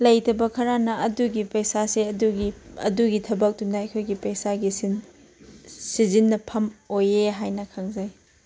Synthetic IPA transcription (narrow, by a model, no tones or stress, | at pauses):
lɐjtɐbɐkʰɐɾanɐɐduɡipɐjsaseɐduɡiɐ̰duɡitʰɐbɐk̚dunːɐɐjkʰojɡipɐjsaɡisin | sizinːɐpʰɐmojeɦajnɐkʰaŋzaj